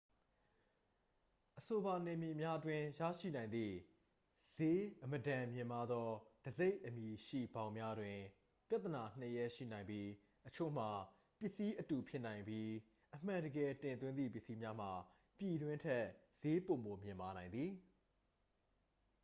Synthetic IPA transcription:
ʔəso˨ba˨nɛ˨mji˨mja˦twɪ̃˦jä̰˦˨ʃḭ˦˨nã˨ɪ̃nd̪ðḭ˦˨ | z̥e˦ʔəmədã˨mjɪ̃˨ma˦d̪ɔ˦d̥əze˦ɪʔəmji˨ʃḭ˦˨bã˨˦ʊ̃mja˦dwɪ̃˨ | pja˦ʔt̪̬ːəna˨n̥əjɛ˦˨ʃḭ˦˨nã˨ɪ̃mbji˦ | ʔət͡ɕʰo̰˦˨m̥a˨ | pjɪ˦ʔsi˦ʔətu˨pʰjɪ˦ʔnã˨ɪ̃mbji˦ | ʔəm̥ã˨ndəɡɛ˨tɪ̃˨nt̪wɪ̃˦nd̪ðḭ˦˨pjɪ˦ʔsi˦mja˦m̥a˨ | pji˨dwɪ̃˦ntʰɛ˦z̥e˦põ˨mo˨mjɪ̃˨mba˨nã˨ɪ̃nd̪ði˨

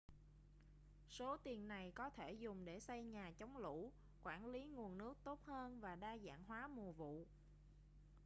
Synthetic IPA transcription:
so˨˦t̪i˨˩ənːa˨˩jkɔ˨˦t̪ʰe˧˩zʊ˨˩ŋ͡mɗe˧˩sa˧jɲaː˨˩t͡ɕɔ˨˦wŋ͡mlṵ˧˥ | kwaː˧˩nli˨˦ŋu˨˩ənːɨ˦˥ək̚t̪o˦˥t̚həː˧nvaː˨˩ɗaː˧za̰ː˧˥˨nɦwaː˨˦mu˨˩əvṵ˧˨

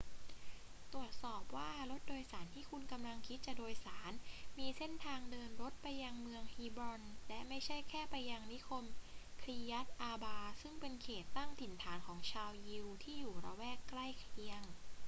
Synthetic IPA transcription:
t̪ɾu˨˩ət̪̚sɔː˨˩p̚waː˥˩ɾo˦˥t̪̚doː˧jsaː˩˦nt̪ʰiː˥˩kʰu˧nka˧mla˧ŋkʰi˦˥t̪̚t͡ɕa˨˩doː˧jsaː˩˦nmiː˧se˥˩nt̪ʰaː˧ŋdɤː˧nɾo˦˥t̪̚pa˧jːa˧ŋmɯ˧əŋhiː˧bɾɔ˧nlɛ˦˥ma˥˩jt͡ɕʰa˥˩jkʰɛː˥˩pa˧jːa˧ŋni˦˥kʰo˧mkʰɾi˧ja˦˥t̪̚ʔaː˧baː˧sɯ˥˩ŋpe˧nkʰeː˨˩t̪ːa˥˩ŋt̪ʰi˨˩˦nt̪ʰaː˩˦nkʰɔː˩˦ŋt͡ɕʰaː˧wji˧wt̪ʰiː˥˩juː˨˩ɾa̰˧wɛː˥˩kːla˥˩jkʰi˧˥əŋ

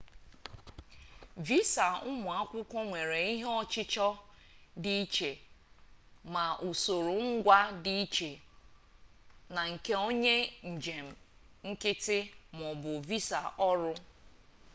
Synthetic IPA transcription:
vi˦sa˨ʊ˦mʊ˨a˦kʷʊ˦kʷɔ˦ŋʷe˨ɾe˨i˦ɦe˦ɔ˦t͡ʃɪ˦t͡ʃɔ˦ | di˦i˦t͡ʃe˨ | ma˨ʔu˨so˨ɾo˨ŋ̩˦ɡʷa˦di˦i˦t͡ʃe˨ | na˨ŋ̩˨ke˦o˦ɲe˦n̩˨d͡ʒe˨m̩˨ŋ̩˦kɪ˦tɪ˦m˨ɔ˨bʊ˨vi˦sa˨ʔɔ˦ɾʊ˦

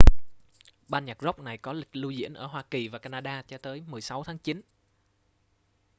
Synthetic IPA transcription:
ɓaː˧nɲa˨˩k̚zə˦˥wk͡p̚na˨˩jkɔ˨˦lï˨˩k̟̚lu˧zḭ˧˥ənʔəː˧˩ɦwaː˧ki˨˩vaː˨˩kaː˧naː˧ɗaː˧t͡ɕɔ˧˩t̪əː˨˦jmɨ˨˩əjsa˨˦wt̪ʰaː˨˦ŋt͡ɕi˨˦n

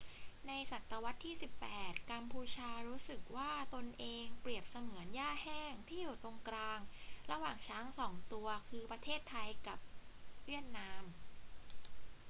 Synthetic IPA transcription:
na˧jsa˨˩t̪ːa˧wa˦˥t̪ʰːiː˥˩si˨˩pːɛː˨˩t̪̚ka˧mpʰuː˧t͡ɕʰaː˧ɾuː˦˥sɯ˨˩k̚waː˥˩t̪o˧nʔeː˧ŋpɾi˨˩əp̚sa˧mɯ˩˦ənjaː˥˩hɛː˥˩ŋt̪ʰiː˥˩juː˨˩t̪o˧ŋkɾaː˧ŋɾa˧waː˨˩ŋt͡ɕʰaː˦˥ŋsɔː˩˦ŋt̪u˧ɐkʰɯː˧pɾa˧t̪ʰeː˥˩t̪ʰːa˧jka˨˩p̚wi˥˩ət̪̚naː˧˥m

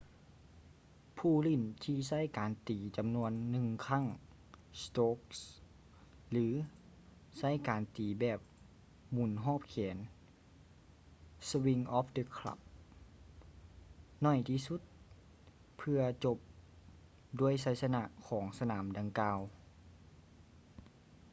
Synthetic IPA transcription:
pʰuː˧˩li˧˩˨nt̪ʰiː˧sa˥˩˨jkaː˨˩nt̪iː˨˩t͡ɕa˨mnu˧ənːɯ˧ŋkʰa˧˥˨ŋ | st̪oː˧˦˥k̚s | lɯː˨˦ | sa˧˥˩jkaː˨˩nt̪iː˨˩bɛː˨˩p̚ | mu˨˩nɦɔː˧˥˩p̚kʰɛː˨˩˦n | swi˧ŋʔɔː˦˥pdə˧kʰla̰˧p̚ | nɔ˧˩jt̪ʰiː˧˨su˧˥t̪̚ | pʰɯ˧ɐt͡ɕo˧p̚ | du˧˩əjsa˧˩jsa˧na˧ʔkʰɔː˩˦ŋsa˧naː˩˦mda˨˩ŋkaː˧w

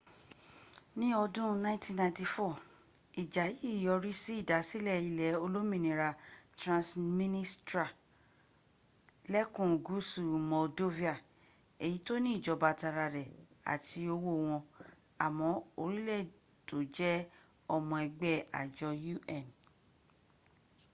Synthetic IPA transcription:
nĩ˦ɔ˧dũ˦nã˦tĩ˦˨nã˧˦ti˧fɔ˦˨ | i˨d͡ʒa˨ji˨˦˨jɔ˧ɾi˦si˦i˦˨da˨˦si˦lɛ˦˨i˦˨lɛ˨˦o˧lo˦mĩ˦nĩ˨ɾa˧tɾã˧smĩ˦nĩ˦stɾa˨ | lɛ˦kũ˨ɡu˨˦su˨mɔ˨do˦vi˦a˨ | e˨ji˨˦to˦nĩ˦i˦˨d͡ʒɔ˨˧ba˧ta˧ɾa˧ɾɛ˨a̰˨tʰi˧o˧wo˦˨w̃ɔ̃˧ | a˨mɔ̃˨˦o˧ɾi˦lɛ˦˨ | to˨d͡ʒɛ˦ | ɔ˦˨mɔ̃˧ɛ˧ɡ͡bɛ˦a̰˨d͡ʒɔ˧ju˦ʔɛ˦˨n

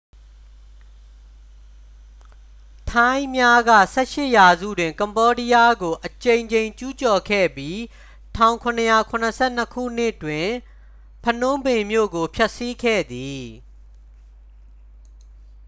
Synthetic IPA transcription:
tʰã˦ɪ̃mja˦ɡä̰˦˨sɛ˦˨ʃɪ˦˨ʔja˨zṵ˦˨dwɪ̃˨ŋkã˨mbɔ˦ɾi˦ja˦ɡo˨ʔət͡ɕẽ˨ɪ̃ɲt͡ɕẽ˨ɪ̃t͡ɕu˦t͡ɕɔ˨kʰɛ̰˦˨bji˦ | tʰã˦˨ʊ̃ŋkʰʊ̃˨nəja˨kʰʊ̃˨nəsʰɛ̰˦˨n̥əkʰṵ˦˨n̥ɪ˦˨ʔtwɪ̃˨ | pʰə˨nʊ̃˦mbɪ̃˨mjo̰˦˨ɡo˨pʰja˦ʔsi˦kʰɛ̰˦˨d̪i˨

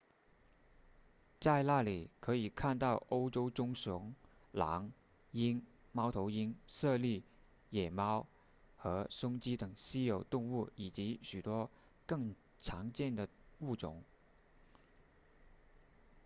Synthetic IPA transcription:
t͡sa˥˧ɪla˥˩li˨˩kʰɤ˧˥i˨˩kʰa˥˧nt̪ɑ˥˩ʊʔo˥ʊʈ͡ʂo˥ʊʈ͡ʂʊ˥ŋsʊ˧˥ŋ | lɑ̰˧˥ŋ | i˥n | mɑ˥ʊt̪ʰo˧˥ʊi˥ŋsɤ˥˧li˥˩ | jɛ˨˩mɑ˥ʊ | xɤ˧˥sʊ˥ŋt͡ɕi˥t̪ɤ˨˩ŋɕi˥jo˨˩ʊt̪ʊ˥˧ŋu˥˩i˨˩t͡ɕi˧˥ɕy˨˩t̪wɔ˥ | kɤ˥˩ŋ | t͡sʰɑ˧˥ŋt͡ɕjɛ˥˩nd̪ə˩u˥˩t͡sʊ̰˨˩˦ŋ

